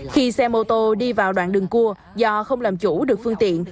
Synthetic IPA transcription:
xi˧sɛ˧mo˧t̪o˧ɗi˧vaː˨˩wɗwa̰ː˧˨nɗɨ˨˩ŋku˧ə | zɔ˧xə˧wŋ͡mlaː˨˩mt͡ɕu˧˥ɗɨ˨˩ək̚fɨ˧əŋt̪ḭ˧˨ən

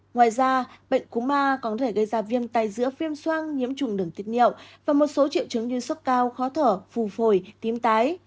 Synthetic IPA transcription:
ŋwaː˨˩jzaː˧ɓə̰˧˨ŋ̟ku˨˦maː˧kɔ˨˦nt̪ʰe˧˩ɣə˧jzaː˧˩vi˧ənt̪aː˧˩jzɨ̰˧˥əfi˧əmswaː˧ŋɲḭ˧˥əmt͡ɕʊ˨˧˩ŋ͡mɗɨ˧˩əŋt̪i˦˥ət̚hḭ˧˨əwvaː˨˩mo˨˩t̚so˨˦t͡ɕḭ˧˨əwt͡ɕɨ˨˦ŋɲɨ˧sə˦˥t̚kaː˧wxɔ˨˦t̪ʰəː˧˩fu˨˩fo˧˩jt̪i˨˦mt̪aː˨˦j

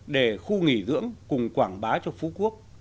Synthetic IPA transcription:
ɗe˧˩xu˧ŋi˧˩zɨ̰˧˥əŋkʊ˨˩ŋ͡mkwaː˧˩ŋɓaː˨˦t͡ɕɔ˧fu˨˦ku˦˥ək̚

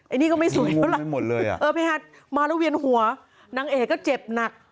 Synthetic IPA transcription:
ʔa˧jniː˦˥˩kɔ˥˩ma˥˩jsu˨˩˦ja˦˥lo˨˩lɤː˧ja̰˨˩ʔɤː˧pʰaː˧haː˧˥˩t̪̚ | maː˧ɾaː˦˥˩wi˧ənhu˨˩˦ɐ | na˩˦ŋʔeː˨˩kɔː˥˩t͡ɕe˨˩p̚na˨˩k̚

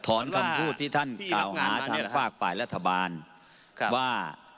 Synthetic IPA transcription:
t̪ʰɔː˩˦nkʰa˧mkʰuː˥˩t̪ʰːiː˥˩t̪ʰa˥˩nklaː˨˩waː˨˩˦t͡ɕʰaː˧faː˥˩k̚faː˨˩jɾa˥t̪ʰːa˧baː˧n | waː˥˩

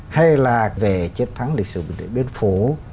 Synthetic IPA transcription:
ha˧jlaː˨˩ve˨˩t͡ɕe˦˥t̚t̪ʰa˨˦ŋli˨˩k̚sɨ̰˧˨ɓi˧˩˨nd̪ḛ˧˩ɓi˧˦ənfu˧˩˦

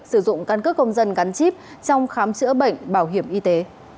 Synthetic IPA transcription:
sɨ˧˩zʊ̰˧˨ŋ͡mkaː˧nkɨ˦˥kə˧wŋ͡mzə˧nɣa˨˦nt͡ɕi˦˥p̚ | t͡ɕɔ˧wŋ͡mxaː˨˦mt͡ɕɨ̰˧˥əɓə̰˧˨jŋ̟ɓaː˧˩wɦi˧˩əmʔi˧t̪e˨˦

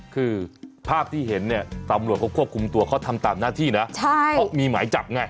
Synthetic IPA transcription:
kʰɯː˧pʰaː˥˩p̚t̪ʰiː˥˩ɦe˩˦nːi˥˩ɐt̪a˧mɾu˨˩ət̚kʰa˥wkʰu˥˩p̚kʰu˧mt̪u˧ɐkʰa˦˥˩t̪ʰa˧mt̪aː˨˩mnaː˥˩t̪ʰiː˥˩na˦˥t͡ɕʰa˥˩ɔ˦˥miː˧ma̰ː˩˦jt͡ɕa˨˩p̚ŋa˧˩j

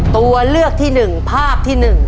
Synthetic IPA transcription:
t̪u˧ɐlɯ˥˩ək̚t̪ʰiː˥˩nɯ˨˩ŋpʰaː˥˩p̚t̪ʰiː˥˩nɯ˨˩ŋ

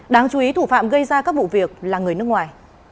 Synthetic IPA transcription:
ɗaː˨˧ŋt͡ɕu˨˦i˨˦t̪ʰu˧˩fa̰ː˧˨mɣə˧jzaː˧kaː˦˥k̚vṵ˧˨vi˨˩ək̚laː˨˩ŋɨ˨˩əjnɨ˦˥ək̚ŋwaː˨˩j

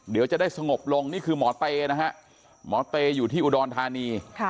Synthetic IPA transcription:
di˨˦wt͡ɕa˨ʔdaː˥˩jsa˧ŋo˨˩p̚lo˧ŋniː˥˩kʰɯː˧mɔː˩˦˥t̪eː˧na˦˥kʰa˦˥ʔ | mɔː˩˦t̪eː˧juː˨˩t̪ʰiː˥˩ʔuː˨˧dɔː˧nt̪ʰaː˧niː˧

